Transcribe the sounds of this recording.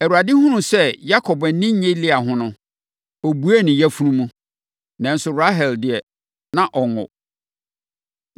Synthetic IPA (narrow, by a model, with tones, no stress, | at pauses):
æ˨wu˨ɾa˨dɪ˦hʊ̃˦nʊ̃˦sɛ˦˨ja˦kʰɔ˨bɛ˨˦nɪ̃˦ɲẽ˦lɪ˦a˨ɦʊ̃˦nʊ̃˦ | ɔ˨bu˨˦æ˦˨nɪ̃˨jɛ˦fu˦ɾũ˦mũ˦ | nã˨n̩˦sʊ˨ɾa˦ɦɛ˨ldɪ˨ɛ˨ | nã˨ʔɔ˨ŋɔ̰˨